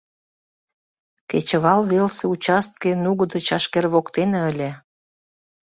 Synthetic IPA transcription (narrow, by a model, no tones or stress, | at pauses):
ket͡ɕə̆βɑlβelseut͡ɕɑst̪̚kenuɣəd̪ə̆t͡ɕɑʃkerβokt̪eneəlʲe